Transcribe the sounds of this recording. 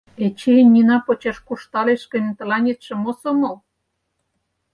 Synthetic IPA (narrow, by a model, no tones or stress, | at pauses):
et͡ɕenʲːinɑpot͡ɕɑʃkuʃt̪ɑleʃkə̆nʲt̪ɤ̆lɑnʲet̪ʃĕmosomol